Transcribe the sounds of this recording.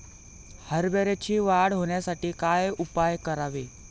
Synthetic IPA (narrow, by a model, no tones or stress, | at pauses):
həɾbeɾet͡ɕʰiːʋaɽɦoɳjasaʈiːkajupajkəɾaʋe